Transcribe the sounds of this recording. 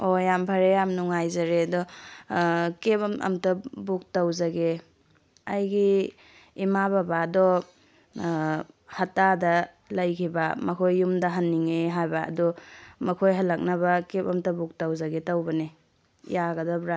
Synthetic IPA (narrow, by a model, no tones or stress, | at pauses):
ojampʰɐɾejamnuŋajzɐɾedɔ | kepɐmɐ̰mtɐbuk̚tawzɐɡe | ɐjɡiː | mababadɔ | hɐtadɐ | lɐjkʰibɐmɐkʰojːumdɐɦɐnːiŋeɦajbaɐ̰dɔmɐkʰojɦɐlɐk̚nɐbɐkepɐmtɐbuk̚tawzɐɡetɐwbɐnḛ | jaɡɐdɔbɾa